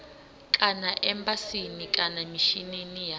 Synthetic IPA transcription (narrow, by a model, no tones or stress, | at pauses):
kʼanaʔɛmbasinikʼanamiʃininija